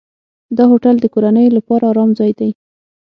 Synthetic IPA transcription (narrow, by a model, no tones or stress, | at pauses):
d̪ɑhoʈald̪əkoɾanəjolapɑɾaːɾɑmzɑjd̪aj